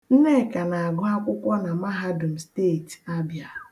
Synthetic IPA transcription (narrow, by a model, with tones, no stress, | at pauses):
n̩˦ne˦˨ka˨na˨a˨ɡʊ˦a˦kʷʊ˦kʷɔ˦na˨ma˦ɦa˦dʊ˨m̩˨steː˦˨ta˦bja˦˨